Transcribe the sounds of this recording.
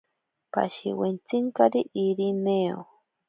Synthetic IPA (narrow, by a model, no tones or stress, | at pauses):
pa̰ʃiwent͡siŋkaɾiʔiɾineo